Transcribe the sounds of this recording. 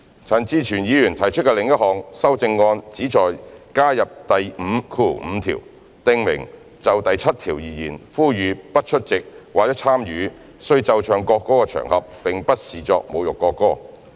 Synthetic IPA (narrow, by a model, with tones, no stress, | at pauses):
t͡sʰɐ˨˩nt͡siː˨˧t͡ʃʰyː˨˩njiː˨˧jyː˨˩nt̪ʰɐ˨˩jt͡ʃʰɵ˥t̚kɛ˧lɪ˨˧˥ŋjɐ˥t̚hɔː˨˧ŋsɐ˥wt͡sɪ˧ŋːɔː˧nt͡siː˨˥t͡sɔː˨jkaː˥jɐ˨p̚t̪ɐ˨jm̩˨˧kʰuː˧m̩˨˧t̪ʰḭː˨˩w | t̪ɪ˧ŋmɪ̰˨˩ŋ | t͡sɐ˨wt̪ɐ˨jt͡sʰɐ˥t̚t̪ʰiː˨˩wjiː˨jḭː˨˩nfuː˥jyː˨˧pɐ˥t̚t͡ʃʰɵ˥t̚t͡sɪ˨k̚waː˨˩jɐ˥t͡sʰaː˥mjyː˨˧ | sɵ˧ɥt͡sɐ˨wt͡ʃʰœː˨˩ŋkɔː˧kːɔː˥kɛː˧t͡ʃʰœ̰ː˨˩ŋhɐ˨p̚ːɪ˨ŋpɐ˥t̚siː˨t͡sɔ̰ː˧k̚mo˨˧wjʊ˨kːɔː˧kːɔː˥